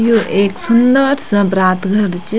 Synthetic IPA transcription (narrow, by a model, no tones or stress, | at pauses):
juʔeːksund̪əɾsɐbɾaːt̪ɡʱɐɾt͡ʃ